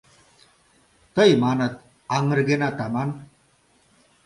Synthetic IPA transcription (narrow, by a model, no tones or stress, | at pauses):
t̪əjmaːnət̪̚ | aŋɾɡenat̪aman